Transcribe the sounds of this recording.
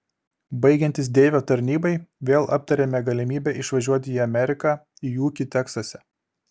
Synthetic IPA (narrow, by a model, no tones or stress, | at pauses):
bɐɪɡʲɛnʲt̪ʲɪs̬d̪ʲeːʋʲoːt̪ɐɾʲnʲiːbɐɪʋʲeːlˠʔɐ̰p̚t̪ɐɾʲemʲɛɡɐlʲɪmʲiːbʲɛʔɪʃʋɐʒʲuɔt̪ʲɪiɐmʲɛɾʲɪkɑː | ijuːkʲɪt̪ʲɛksɐsʲɛ